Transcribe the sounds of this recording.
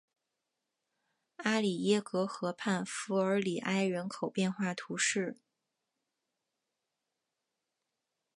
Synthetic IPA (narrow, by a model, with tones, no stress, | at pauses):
a˥li˨˩jɛ˥kɤ˧˥xɤ˧˥pʰa˥˩nfu˧˥ə˞˧˥li˨˩ʔa˥ɪɥɛ˧˥nkʰo˨˩ʊpjɛ˥˧nxwa˥˩t̪ʰu˧˥ʂɻ̩˥˩